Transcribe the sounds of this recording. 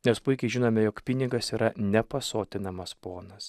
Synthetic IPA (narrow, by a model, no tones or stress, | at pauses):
nʲɛspʊɪkʲɛɪʒʲɪnoːmʲɛjoːkpʲɪnʲɪɡɐsiːɾɐnʲɛpɐsoːt̪ʲɪnɐmɐspoːnɐs